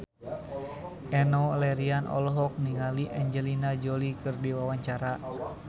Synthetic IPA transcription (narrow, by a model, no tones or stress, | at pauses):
ʔɛnɔlɛɾianʔɔ̰lɦɔk̚niŋaliʔɛɲd͡ʒɛlinad͡ʒolikɨrdiwawaɲt͡ʃaɾa